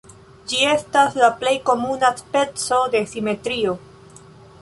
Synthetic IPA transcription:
d͡ʒie̞staslaple̞jko̞munaspe̞t͡sode̞sime̞tɾio

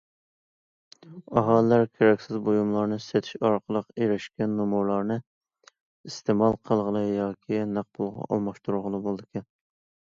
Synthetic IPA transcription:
ɑɦɑlˠɨlæɾkʲʰeɾɛkʲsɪzbojumlˠɑɾnɨset̪ʰi̥ʃɑɾqʰəlˠəqeɾɪʃkʲɛnːumuɾlˠɑɾnɨ | ist̪emɑlˠqʰəlˠʁəlˠɨjɑːkʲʰinæq̚bʊlˠʁɑ̰ʔɑ̰lˠmɑʃt̪uɾuʁəlˠɨbolˠd̪ɨkʲʰɛn

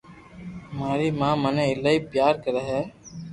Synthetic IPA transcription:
maːɾiːmãːmənẽːɪlaːiːpjaːɾkəɾəɦɛː

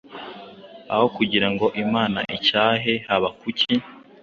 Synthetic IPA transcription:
a̰ho̞kuɟiɾaŋɡo̞ʔimaːna̰ʔicaːɦehaβakuci

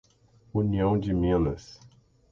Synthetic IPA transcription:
uniɐ̃w̃d͡ʒɪmĩnɐs

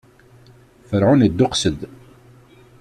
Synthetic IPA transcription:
fəɾʕunəd̪ːʊqsəd̪

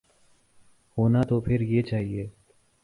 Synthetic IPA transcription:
hoːnat̪opʰɪɾjet͡ʃaːɦieː

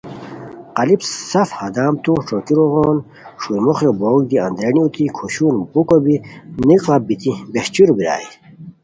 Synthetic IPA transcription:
qɐlipsɐfhɐd̪aːmt̪uʂokiɾoʁoːn | ʂuimoχjoboːɡ̚d̪iɐ̰nd̪ɾeniut̪ikʰoɕuːnbukobiniqlabit̪ʰibeht͡ɕuɾbiɾa̰ːi

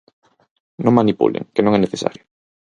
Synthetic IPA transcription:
nõŋmanipṵlḛŋkenõŋɛneθesa̰ɾjʊ

